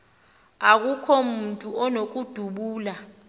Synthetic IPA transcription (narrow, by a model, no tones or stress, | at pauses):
ak̬ukʰɔmuntʼuʔɔnok̬ʼud̥ʱuɓuːla